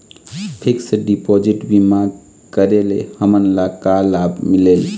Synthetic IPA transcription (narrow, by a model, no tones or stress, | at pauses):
pʰiksəɖipod͡ʒiʈbimaɡ̚ | kəɾelḛhəmənlakalabmilel